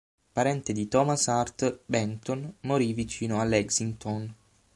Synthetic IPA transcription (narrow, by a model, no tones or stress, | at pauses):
paɾɛnt̪ed̪it̪ɔmasart̪bɛnt̪onmoɾivit͡ʃiːnoalːɛɡsint̪on